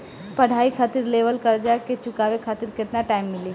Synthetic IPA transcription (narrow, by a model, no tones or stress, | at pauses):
pɐɽ̤aːikʰaːt̪ɪɾleːʋəlkɐɾd͡ʒaeket͡ʃʊkaːʋekʰaːt̪ɪɾkɪt̪naʈaːɪmːɪliː